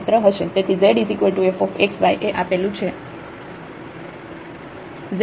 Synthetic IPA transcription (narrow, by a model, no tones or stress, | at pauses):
t̪ɾəɦəʃet̪et̪ʰizeɖisikeʈuefofeksʋajʔeʔapelũt͡ʃʰe | z